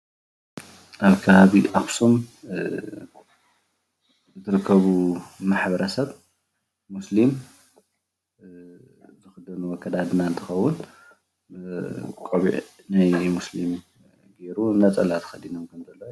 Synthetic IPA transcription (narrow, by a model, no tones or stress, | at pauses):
ʔaβkʰɐβaβiʔaxsum | zɨɾɨkʰːɐβumaħbɐɾɐsɐβ | muslim | zɨxɨd̪ɐnuwɔkʰːɐd̪ad̪naɨnt̪ʰɨxɐwːʊn | kʼoβḭʕ | najmuslim | ɡeɾunɐt͡sʼɐlat̪xɐd̪inomkʰɐmzɐlːo